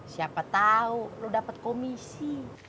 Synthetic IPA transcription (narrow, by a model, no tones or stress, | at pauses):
siapat̪aulɔdapat̪̚kɔmisi